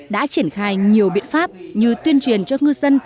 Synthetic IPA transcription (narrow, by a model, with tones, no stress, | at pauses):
ɗa̰ː˧˥t͡ɕi˧˩ənxaː˧jɲi˨˩əwɓḭ˧˨nfaː˦˥p̚ɲɨ˧t̪wi˧ənt͡ɕwi˨˩ənt͡ɕɔ˧ŋɨ˧zə˧n